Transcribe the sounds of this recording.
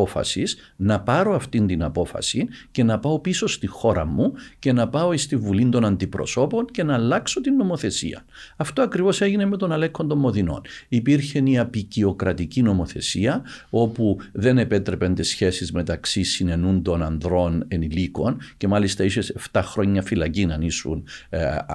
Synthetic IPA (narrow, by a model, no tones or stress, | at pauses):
ofɐ̰sis | nɐpɐɾo̞ɐft̪ind̪inɐpo̞fɐ̰sice̞nɐpɐo̞piso̞st̪ixo̞ɾɐmːuce̞nɐpɐo̞ist̪iɱvulind̪o̞nɐnd̪ipɾo̞̰so̞po̞nce̞nɐːlːɐkso̞t̪inːo̞mo̞θe̞sḭɐ̰ | ɐft̪oɐkɾivo̞se̞ʝinemet̪o̞nɐlekʰːond̪o̞mːo̞ðino̞̰nipiɾçe̞niɐpicio̞kɾɐt̪icino̞mo̞θe̞̰siɐo̞puðe̞ne̞pe̞t̪ɾe̞pent̪esçe̞sizme̞t̪ɐksisine̞nund̪o̞nɐnðɾo̞ne̞niliko̞nce̞mɐlist̪ɐiseseft̪ɐxɾo̞ɲːɐfilɐcinɐnisṵn